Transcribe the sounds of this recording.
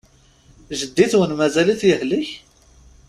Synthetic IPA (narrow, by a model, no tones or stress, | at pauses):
ʒəd̪ːiθwənmæzæliθjəhliç